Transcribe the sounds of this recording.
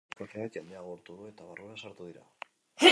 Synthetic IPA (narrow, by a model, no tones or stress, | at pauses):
kafeaekand̪eaɣo̞ɾt̪uðue̞t̪aβarʔueasaɾt̪uð̞iɾa̰